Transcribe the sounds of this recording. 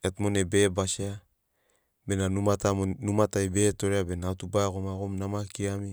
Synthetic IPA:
at̪monebebasia | benanumat̪anumat̪aibetoɾeabenat̪ubakomakomnamakiami

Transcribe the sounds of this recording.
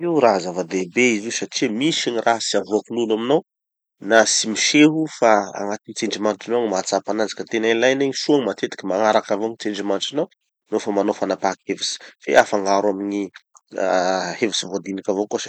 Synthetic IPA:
iwraɦzavad̪ebeiziusaʈ͡ʂimisiɲirʔaɦsiavoakululaminaw | nasimiʃeɦufaa̰ŋat̪init͡seɳɖ͡ʐimanʈ͡ʂinaɲimat͡sapanand͡zi̥kat̪enanilajneɲisuaŋmat̪et̪i̥kʲimaŋaɾakavoɲit͡seɳɖ͡ʐimanʈ͡ʂinaw | nofamanofanapakhevisi̥fḛafaŋɡaɾwamiɲi | hevisivod̪inikʲavokosa

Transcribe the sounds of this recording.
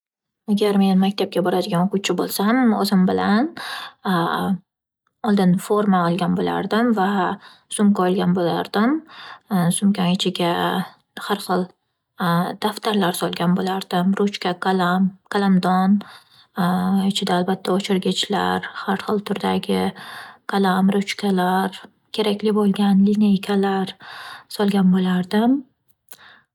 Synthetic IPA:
aɡʲaɾme̞nmakʲt̪ʰap̚kʲabɒɾad̪ɪɡʲanoqʰʊwt͡ʃʰɪbolˠsamozɪmbɪlan | ɒlˠd̪ɪnfoɾmaɒlˠɡʲanbola̰ɾd̪ɪmva | sʊmkʲaɒlˠɡʲanbolaɾd̪ɪm | sʊmkʲaɪt͡ʃʰɪɡʲa | haɾχɨlˠ | d̪̥aft̪ʰaɾlaɾsɒlˠɡʲanbolaɾd̪ɪmɾʊt͡ʃkʲakalamkʰalˠamd̪ɒn | ɪt͡ʃʰɪd̪aːlbat̪ʰːaot͡ʃʰɪɾɡʲɪt͡ʃla̰ɾhaɾχɨlˠt̪ʰʊɾd̪aɡʲɪkʰalamɾʊt͡ʃkʲʰalaɾ | kʲʰe̞ɾakʲlɪbolˠɡʲanlɪnejkʲʰalaɾsɒlˠɡʲanbolaɾd̪ɪm

